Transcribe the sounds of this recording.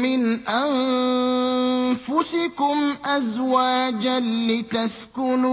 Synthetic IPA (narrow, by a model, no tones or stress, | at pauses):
mɪnʔan | fʊsɪkʊmʔazwaːd͡ʒalɪt̪askʊnː